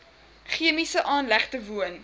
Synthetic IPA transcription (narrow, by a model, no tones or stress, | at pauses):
χiəmisəʔɑːnlæχtəvuən